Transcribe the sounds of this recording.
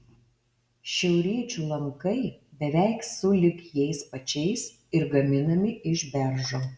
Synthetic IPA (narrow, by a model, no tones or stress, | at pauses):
ʃʲɛʊɾʲiɛt͡ʃʲuːlˠɐŋkɐɪbʲɛʋʲɛˑɪksʊlʲɪkjɛɪspɐt͡ʃʲɛɪs | ɪɾɡɐmʲɪnɐmʲɪʔɪʒbʲɛɾʒoː